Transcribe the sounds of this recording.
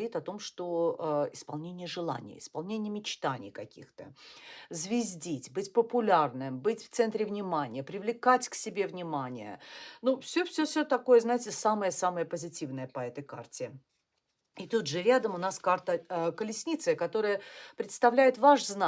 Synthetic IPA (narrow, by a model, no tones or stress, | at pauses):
ɾʲit̪ɐt̪o̞mʂt̪oəɪspɐlˠnʲenʲɪjəʐɨlˠa̰nʲɪjə̰ɪ̰spɐlˠnʲenʲɪjəmʲɪt͡ɕt̪anʲɪ̰jkɐkʲḭxt̪əzvʲɪzʲdʲitʲbɨtʲpəpʊlʲarnɨmbɨtʲft̪sɛnt̪ɾʲɪvnʲɪmanʲɪjəpɾʲɪvlʲɪkatʲksʲɪbʲe̞vnʲɪmanʲɪjə̰nufsʲɵfsʲɵfsʲɵt̪ɐko̞jəznajɪtʲɪsaməjəsaməjəpəzʲɪtʲivnəjəpɐɛt̪əjka̰rtʲɪ | ɪt̪ut̪ʐɨɾʲad̪əmʊnaskart̪əəkəlʲɪsʲnʲit̪səkɐt̪o̞ɾəjəpɾʲɪt̪st̪ɐvlʲæjɪt̪vaʂzna